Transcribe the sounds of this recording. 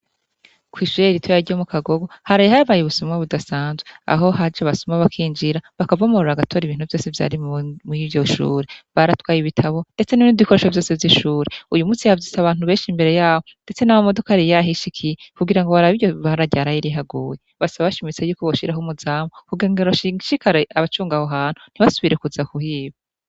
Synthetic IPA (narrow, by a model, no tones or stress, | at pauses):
kwiːʃuɾeɾitʰojaɾɟomukʰaɡoɡo̞haɾajehaβajeβusomweβudasaːnzwea̰ɦo̞ɦad͡ʒaβasomaβakʰiːnd͡ʒiɾaβakavaomoɾoɾaɡatʰo̞ɾiβiːn̥huvjo̞ːse̞vja̰ɾimivjo̞ʃṵːɾeβaɾatwaːjiβitʰaβo̞nde̞t͡se̞niniβiko̞ɾeʃovjo̞ːse̞vjiʃuːɾeujumut͡siavzitaβaːnhuβe̞ːnʃimbe̞ɾe̞jaːho̞nde̞t͡se̞nawomo̞do̞kaɾijaɦiʃikʰijekuɡiɾaŋɡoβaɾaβijoβaɾaɟaɾajiɾiɦaɡuːje | βasaβaβaʃimit͡se̞juːkoβoʃiɾaɦomuzaːmokuɡeŋɡeɾoʃiʃikaɾeaβat͡ʃuːŋɡahoɦaːn̥hun̥iβasuβiɾe̞kuzakuhiːβa